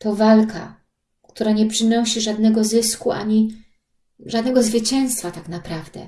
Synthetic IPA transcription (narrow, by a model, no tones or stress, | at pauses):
t̪ɔvalka̰ | kt̪uɾaɲɛpʂɘnɔɕiʐad̪nɛɡɔzɘskuʔa̰ɲi | ʐad̪nɛɡɔzvɘt͡ɕɛ̃w̃st̪fat̪aknapɾavd̪ɛ̰